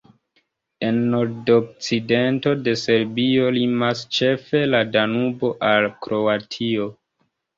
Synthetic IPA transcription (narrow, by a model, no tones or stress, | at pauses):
e̞nːo̞ɾdok̚t͡side̞nto̞de̞se̞ɾbio̞limast͡ʃe̞fe̞ladanubo̞ʔalkɾo̞atʰio̞